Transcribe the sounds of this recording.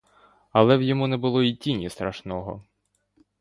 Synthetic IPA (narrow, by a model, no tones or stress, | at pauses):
ɐlˠɛwjɔmunɛbʊlˠɔitʲinʲist̪ɾɐʃnɔɦɔ̰